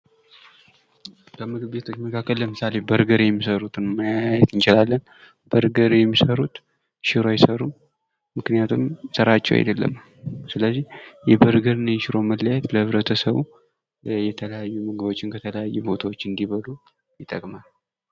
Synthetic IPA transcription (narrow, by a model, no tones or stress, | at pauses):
bəmɨɡɨbbe̞t̪ʰo̞t͡ʃːməkʰakːəlːləmɨsale̞bəɾɡəɾjɛmːisəɾut̪ʰɨnməjaajɛt̪ɨnt͡ʃɪlalːən | b̥əɾɡəɾjɛmːisəɾut̪ | ʃɪɾoajɪsəɾum | mɨknijat̪ʰumsəɾat͡ʃːɛ̰wa̰jd̪əlːə̰m | sɨləzːihjɛbəɾɡəɾɨnjʃɪɾo̞məlːajɛt̪ləhɨβɾət̪ʰəsəβu | jɛt̪ʰələjajːumɨɡɨbo̞t͡ʃːɪnkʰət̪ʰələjajːubo̞t̪ʰawo̞t͡ʃːɨnd̪iβəlu | jɪt̪ʼːəkʼmal